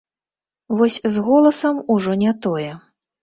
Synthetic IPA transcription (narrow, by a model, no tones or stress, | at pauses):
vɔsʲzɣɔlˠɐsɐmuʐɔnʲɛt̪ɔjɛ